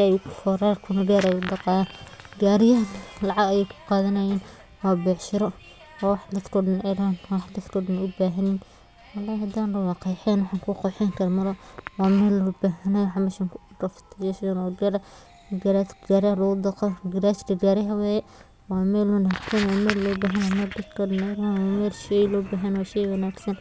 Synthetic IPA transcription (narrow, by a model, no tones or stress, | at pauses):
jfɔɾaːrkʰʊnɐɡaːɾɛjʊd̪ɑqɑːjaɡaːɾɪjɐnlɑʕɑɡɐjɛjkʰʊ̥qɑːðɐnɐjɛːn | wɑːbɛːħʃɪɾɔ | ɔːwɑħd̪ɐd̪kʰɔːɖɐnɛɾanwɑħd̪ɐd̪kʰɔːɖɐnʊbaːɦɐnin | wɑlːaːjhɐd̪aːnlɐwɑqɑjħɛːnwɑħɑŋkʰʊqɔjħɛŋkʰɐɾmɐlɔwɑːmɛːlɔːbaːɦɐnɐwħmɛːʃɐŋk | rɐft̪ʰɪjɛʃɐnɔɡɐɾɐ | ɡɐɾat̪ɡaːɾalʊɣʊd̪ɐqɔɡɐɾasdɐɡaːɾɪɦɐwɛːjɛ | wɑːmɛːlwɐnaːɡsɐnɔːmɛːllɔːbaːɦɐnːmɐd̪ɐt̪kʰɔːɖɐnɛɾanwmɛːlʃɛjlɔːbaːɦɐnwɑːʃɛjwɐnaːɡsɐn